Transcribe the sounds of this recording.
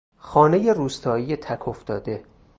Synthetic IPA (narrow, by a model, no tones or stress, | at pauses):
xɒːne̞je̞ruːst̪ʰɒːjijet̪ʰækʰoft̪ɒːd̪e̞